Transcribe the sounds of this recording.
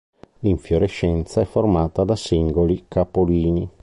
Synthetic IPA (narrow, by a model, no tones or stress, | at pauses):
liɱfjoɾɛʃːɛnt̪saɛfːoɾrmaːt̪ad̪asiŋɡolikapoliːni